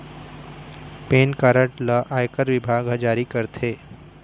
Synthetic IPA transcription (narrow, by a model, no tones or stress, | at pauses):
peːnkaɾəʈləʔaːjkəɾʋɪbʱaːɡɦɐd͡ʒaːɾikəɾt̪ʰeː